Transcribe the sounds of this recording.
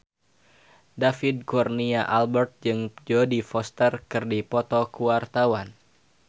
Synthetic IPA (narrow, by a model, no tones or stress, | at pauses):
dafid̚kurniaʔalbɛrt̪̚d͡ʒɨŋd͡ʒodifɔst̪ərkɨrdipɔt̪ɔkuwart̪awan